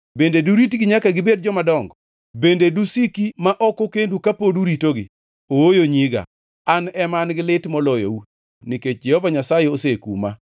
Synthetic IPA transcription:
bendeduɾitɡɪɲakaɡɪbedd͡ʒɔmadɔŋɡɔ | bendedusikimaʔɔkokendukapoduɾitoɡɪ̰ | owojoɲiɡa̰ | anɛmanɡɪlɪtmɔlɔjo̰u | niket͡ʃd͡ʒɛhɔvaɲasajeosekṵma̰

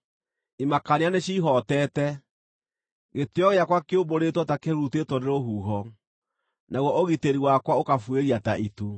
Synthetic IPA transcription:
imakaneaneɕiːɦɔtɛːtɛ | ɣetjɔɣeakwakeoboɾetwɔtakeɾutetwɔneɾoɦuːɦɔ | nʔaɣwɔʔoɣiteɾiwakwaokafweɾiataʔitu

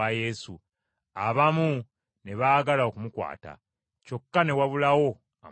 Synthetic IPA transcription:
aje̞su | aβamu | ne̞βaːɡalao̞kumukwa̰ːta̰ | co̞kːane̞waβulawo̞ | a

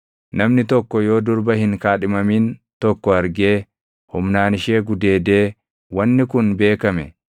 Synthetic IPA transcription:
nɐmnɪt̪ɔkːɔjo̞ːd̪ʊɾbɐhɪŋkaːᶑɪmɐmiːnt̪ɔkːɔɐɾɡe̞ː | hʊmnaːnɪʃe̞ːɡʊd̪e̞ːd̪e̞ː | wɐnːɪkʊnbe̞ːkɐmɛ

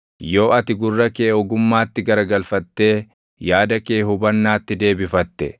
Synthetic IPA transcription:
jo̞ːʔɐt̪ɪɡʊrːɐkeːɔɡʊmːaːt̪ːɪɡɐɾɐɡɐlfɐt̪ːe̞ː | jaːd̪ɐke̞ːhʊbɐnːaːt̪ːɪd̪e̞ːbɪfɐt̪ːɛ

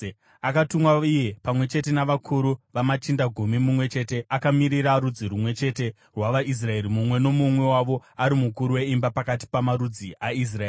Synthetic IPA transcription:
akatumwaije̞pamwe̞t͡ʃe̞te̞naʋakʰuɾuʋamat͡ʃindaɡʱumimumwe̞t͡ʃe̞te̞ʔakamiɾiɾaɾud͡ziɾumwe̞t͡ʃe̞te̞ | rwaʋaʔis̬rae̞ɾimumwe̞nomumwe̞waʋo̞aɾimukuɾuwe̞imbapakat̬i̥pamaɾud͡ziʔais̬raei

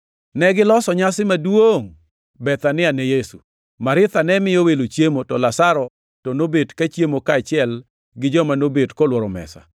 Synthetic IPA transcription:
nɛɡɪlɔsɔɲasɪmadwoŋ | bɛt̪anɪanejesṵ | maɾɪt̪anɛmɪjowelot͡ʃjemotɔlasaɾɔ | tɔnobedkat͡ʃjemokaːt͡ʃɪɛl | ɡɪd͡ʒɔmanobedkɔlwɔɾɔmɛ̰sa̰

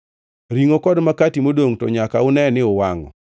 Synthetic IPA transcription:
ɾiŋokɔdmakatimodoŋtɔ̰ɲakaʊnɛnɪʊwaŋɔ̰

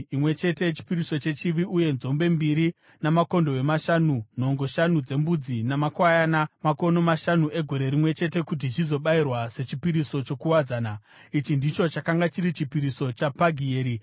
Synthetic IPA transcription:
imwe̞t͡ʃe̞te̞t͡ʃi̥piɾiso̞t͡ʃe̞t͡ʃiʋiʔuje̞nzo̞mbe̞mbiɾi | namako̞ndo̞we̞maʃanun̤o̞ŋɡo̞ʃanud͡ze̞mbud͡zinamakwajanamako̞no̞maʃanuʔe̞ɡʱo̞ɾe̞ɾimwe̞t͡ʃe̞te̞kut̬it͡ʃizo̞ɓairwase̞t͡ʃipiɾiso̞t͡ʃo̞kuwad͡zaːna | it͡ʃindit͡ʃo̞t͡ʃakaŋɡat͡ʃiɾit͡ʃipiɾiso̞t͡ʃapaɡʱieːɾi

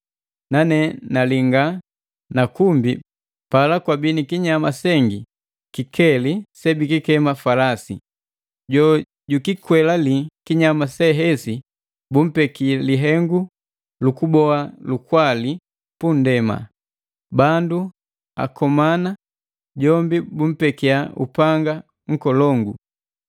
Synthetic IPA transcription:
nanɛnaliŋɡa | nakumbi | palakwabinikiɲamasɛŋɡi | kikʰɛlisɛbikikɛmafalasḭ | ɟɔ | ɟukikwɛlalikiɲamasɛɦɛsi | bum̩pɛkialiɦɛŋɡu | lukubɔalukwali | pun̩dɛma̰ | bandu | a̰kɔmana | ɟɔmbibum̩pɛkiaṵpaŋɡa | ŋ̩kɔlɔŋɡu

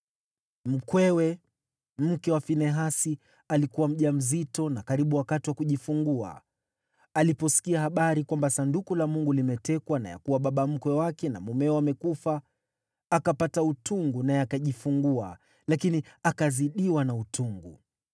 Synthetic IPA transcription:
m̩kwɛwɛ | m̩kɛwafinɛɦasi | alikuwam̩ʄam̩zitɔnakaɾiɓuwakatiwakuʄifuŋɡua̰ | alipɔsi̥kiahaɓaɾikwambasandukulamuŋɡulimɛtɛkwana̰ja̰kuwaɓaɓam̩kwɛwakɛna̰mumɛɔamɛkufa | akapatautʰuŋɡunajɛakaʄifuŋɡua | lakiniakaziɗiwanautuŋɡṵ

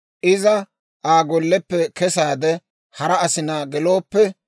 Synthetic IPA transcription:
ʔɪzɐ | ʔaːɡɔlːɛpːɛkɛsaːd̪ɛ | hɐɾɐɐsɪnaːɡɛlo̞ːpːɛ

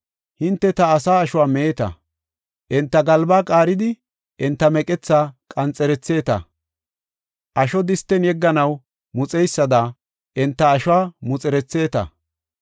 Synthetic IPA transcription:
hɪnt̪ːɛt̪ɐːsaːɐʃʊwaːmeːt̪ɐ̰ | ʔɛnt̪ːɐɡɐlbaːkʼaːɾɪd̪ɪ | ʔɪnt̪ːɐmɛkʼɛt͡sːaːkʼɐnt͡sʼːɛɾɛt͡sːe̞ːt̪ɐ̰ | ʔɐʃɔd̪ɪst̪ːɛnjɛɡːɐnɐw | mʊt͡sʼɛjsːɐd̪a | ʔɛnt̪ːɐːʃʊwaːmʊt͡sʼɛɾɛt͡sːe̞ːt̪ɐ̰

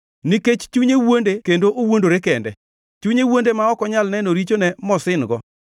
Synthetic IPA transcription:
niket͡ʃt͡ʃuɲewondekendoʔowondoɾekɛndɛ̰ | t͡ʃuɲewondemaɔkɔɲalnɛnoɾit͡ʃonɛmɔsɪnɡɔ̰

